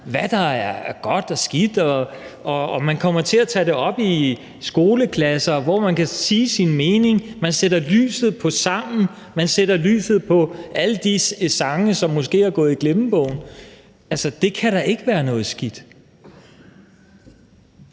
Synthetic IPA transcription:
ʋæd̥ɑ̈æɐɡ̥ɒ̽d̥ɒsɡ̥id̥ɒ | ʔɒ̽ːmænkʰɒ̽m̰ɐt͡sʰe̝æt͡sʰɛd̥e̝ɒ̽b̥i | sɡ̥o̝ːləkʰlæsɐʋɒmænkʰæsiːsinme̝ːne̝ŋmænseɾ̥ɐly̰ːsð̞̩ˠpʰɒ̽sɑ̈m̰n̩ | mænseɾ̥ɐly̰ːsð̞̩ˠpʰɒ̽ʔæləd̥isɑ̈ŋəsɒ̽mːosɡ̥e̝̰ːæɐɡ̥ɔ̽ːð̩ˠiɡ̥le̝mb̥ɔʊn̩ | ælsɐd̥e̝kʰæɾɑ̈ʔe̝ɡ̥əʋæːɐnɔ̽ːð̩ˠsɡ̥id̥

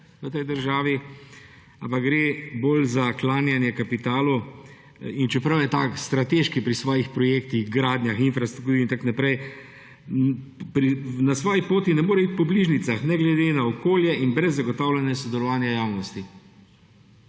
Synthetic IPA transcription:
ʋət̪ɛjd̪əɾʒaːʋi | a̰mpaɡɡɾeːboːlzaklaːnjanjɛkapit̪aːlu | int͡ʃɛpɾɐwjɛt̪aːkst̪ɾat̪eʃkipɾisʋɔːjixpɾɔjeːkt̪iɣɡɾaːd̪njaxinfɾast̪ɾukt̪uːɾint̪aknapɾɛj | pɾinasʋɔːjipoːt̪inɛmoːɾɛit̪̚pɔbliʒnit̪saxnɛɡlɛd̪enaɔkoːljɛinbɾɛzːaɡɔt̪awlʲɛnjɛsɔd̪ɛlɔʋaːnjajaːwnɔst̪i

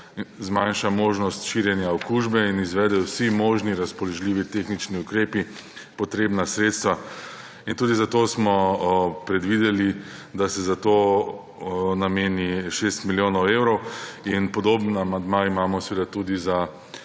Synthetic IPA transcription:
zmanʃamoːʒnɔst̪ʃiɾjɛnjaɔkuʒbɛinizʋɛːd̪ɛwsimoːʒniɾaspɔlɔʒliʋit̪exnit͡ʃniukɾeːpi | pɔt̪ɾeːbnasɾeːt̪st̪ʋa | int̪uːd̪izat̪oːsmɔpɾɛd̪ʋid̪ɛli | d̪asɛzat̪oː | nameːniʃest̪miljoːnɔweːwɾɔwinpɔd̪oːbnamand̪maimaːmɔsʋed̪at̪ud̪iza

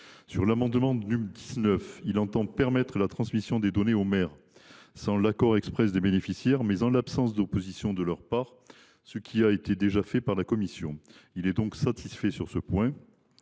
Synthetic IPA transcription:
syʁlamɑ̃d̪mɑ̃nymd̪iznœfilɑ̃t̪ɑ̃pɛʁmɛt̪χəlat̪χɑ̃smisjɔ̃d̪ed̪ɔneomɛʁ | sɑ̃lakɔʁɛkspχɛsd̪ebenefisjɛʁmɛzɑ̃lapsɑ̃s̬d̪opozisjɔ̃d̪əlœʁpaːʁ | səkʲʰiaet̪ed̪eʒafɛpaʁlakɔmisjɔ̰̃ilɛd̪ɔ̃ksat̪ʰisfɛsyʁsəpwɛ̃

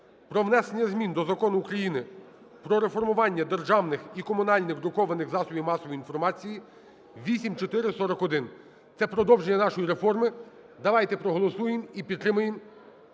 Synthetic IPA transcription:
pɾɔʋnɛsenʲːɐzʲmʲind̪ɔzɐkɔnʊːkɾɐjinɪ | pɾɔɾefɔrmʊʋɑnʲːɐd̪erʒɑwnɪxikɔmʊnɑlʲnɪxd̪ɾʊkɔʋɐnɪxzɑsɔʋʲimɑsɔʋiin̪fɔrmɑt͡sʲiji | ʋʲisʲimt͡ʃɔt̪ɪɾɪsɔɾɔkɔd̪ɪn | t̪sɛpɾɔd̪ɔwʒenːɐnɑʃɔjiɾefɔrmɪ | d̪ɐʋɑjt̪ɛpɾɔɦɔlˠɔsujɪmipʲidt̪t̪ːɾɪmʊjɪm

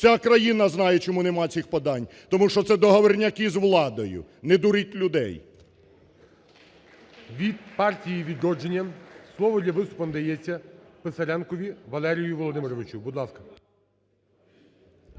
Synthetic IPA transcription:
t͡sʲakɾɐjinɐznɑjɛt͡ʃɔmunɛmɑt͡sʲixpɔd̪ɑnʲ | t̪ɔmuʃt͡ʃɔt̪sɛd̪ɔɦɔʋɔrnʲɐkɪzʋlˠɑd̪ɔjʊ̰ned̪ʊɾitʲlʲʊd̪ɛ̰j | ʋʲid̪̚pɑrtʲijiʋʲid̪ɾɔd͡ʒenʲːɐmslˠɔʋɔd̪ʲlʲɐʋɪst̪ʊpɔnd̪ɐjɛt͡sʲːɐpesɐɾʲɛnkɔʋʲiʋɐlˠɛɾʲijiʋɔlˠɔd̪ɪmeɾɔʋɪt͡ʃubud̪lˠɑskɐ̥

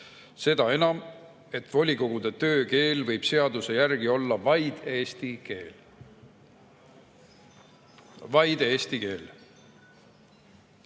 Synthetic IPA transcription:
se̞d̪ɑe̞nɑm | e̞t̪ːˑvo̞lʲiko̞ɡ̥ud̪̥e̞t̪ø̞ːke̞ːlvɤ̞jb̥se̞ɑd̪̥use̞jærɡ̥io̞lːɑvɑjd̪̥eːst̪ike̞ːl | vɑjd̪eːst̪ike̞ːl

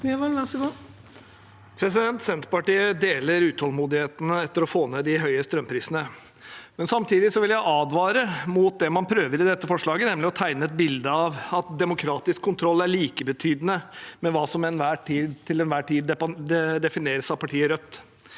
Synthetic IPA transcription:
ʋɑlɑsɡo | pʰɾɛsɪd̪ɛnt̪sɛnt̪pɑʈiːəd̪eːləɾʉːt̪hɔlmuːd̪ɪheːt̪ənəɛt̪ːəɾɔfoːned̪ɪɦœʏəst̪ɾœmpʰɾiːsənə | mɛnsɑmt̪ʰiːd̪ɪsɔʋɪljæɪʔɑːd̪ʋɑːɾəmuːt̪̚d̪ɛmɑnpʰɾøːʋəɾɪd̪ɛt̪ːəfɔʂɭɑːɡənɛmlɪɔt̪ʰæɪnəɛt̪̚bɪld̪əɑʋɑt̪̚d̪ɛmʊkʰɾɑːt̪ɪskʰːʊnt̪ʰɾɔlːæɭiːkəbət̪ʰyːd̪ənəmɛʋɑːsɔmɛnʋæːʈʰiːd̪t̪ʰɪlɛnʋæːʈʰiːd̪ɛɛd̪ɛfɪneːɾəsɑpʰɑʈʰiːəɾœt̪ː

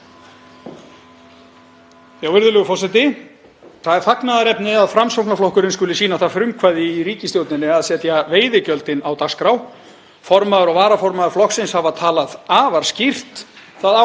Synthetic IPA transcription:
jawvɪɾðʏlœɣʏfɔr̥sɛt̪ɪ | θaðɛɾ̥faknaðaɾɛpnɪaðfɾamsowknaflɔhkʏɾɪnskʏːlɪsiːnaθaðfɾʏmkʰvaːjðɪiɾiːcɪst̪jowt̪nɪnːɪaðsɛt̪javeːjðɪcœlt̪ɪnawt̪askɾaw | fɔɾmaðʏɾɔɣvaːɾafɔɾmaðʏɾ̥flɔhksɪnshavaðt̪ʰaːlaðaːvaɾ̥scir̥t̪θaða

